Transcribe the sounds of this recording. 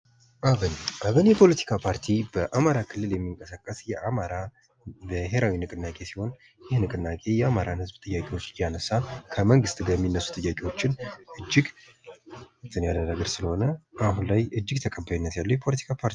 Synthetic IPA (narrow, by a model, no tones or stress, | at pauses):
ʔaβɨnʔaβɨnjɛpʰo̞lət̪ʰi̥kʰapʰaɾt̪ʰibəʔamaɾakʰɨlːɨljɛmːiŋkʼəsakʼːəsjɛʔamaɾa | bəɦe̞ɾawinɨkʼɨnːakʼe̞siho̞n | jɪhnɨkʼɨnːakʼe̞jɛamaɾanhɨzbt̪ʼɨjːakʼe̞wo̞t͡ʃːjanəsːakʰəməŋɡɨst̪ʼɡajɛmːinːəsːu̥t̪ʼɨjːakʼe̞wo̞t͡ʃːɪnʔɨd͡ʒːɪɡ | t̪ʰːɨnjalənaɡəɾsɨləho̞nəaɦunlajʔɨd͡ʒːɪɡt̪ʰəkʼəbːaβinːət̪jalːujɛpʰo̞lət̪ʰi̥kʰapʰaɾt̪i